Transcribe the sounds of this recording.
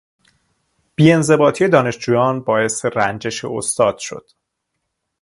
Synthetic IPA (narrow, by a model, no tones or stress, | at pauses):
b̥iːe̞nze̞bɒːt̪ʰije̞d̪ɒːne̞ʃd͡ʒuːjɒːnbɒːje̞st̪erænd͡ʒe̞ʃḛo̰st̪ɒːd̪̥ʃo̞̰d̪̥